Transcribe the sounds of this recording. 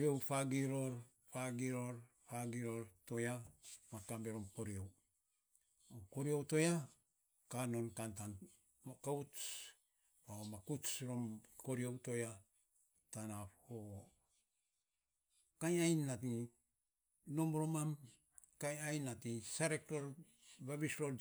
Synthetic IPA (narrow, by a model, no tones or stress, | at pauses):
io̞wpaɡiɾo̞ɾ | paɡiɾo̞ɾ | paɡiɾo̞ɾto̞jamakambe̞ɾo̞mko̞ɾio̞w | oko̞ɾio̞wto̞ja | kano̞nkantan | mokau | paomakusɾo̞mko̞ɾio̞wto̞ja | tanapo | kajajnːati | no̞mɾo̞mam | kajajnatisaɾekɾo̞ɾ | baβisɾoɾ